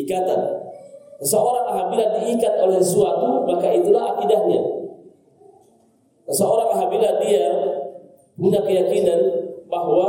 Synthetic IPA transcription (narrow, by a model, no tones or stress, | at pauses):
ikat̪an | səsəoɾaŋaɦabiladiːkat̪̚olɛsəsuat̪umakait̪ulaɦakidahɲa | səsəoɾaŋaɦabiladia | kuɲakəjakinanbaɦwa